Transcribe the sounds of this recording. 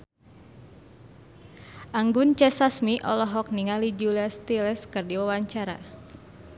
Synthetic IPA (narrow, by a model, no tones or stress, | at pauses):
ʔaŋɡunt͡ʃɛsasmiʔɔ̰lɔɦɔk̚niŋalid͡ʒuliast̪ilɛskɨrdiwawaɲt͡ʃaɾa̰